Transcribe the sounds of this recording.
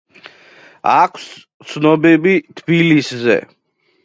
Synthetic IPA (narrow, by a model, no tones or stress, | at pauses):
akʰs | t̪sʰnɔbɛbit̪ʰbiliszɛ̰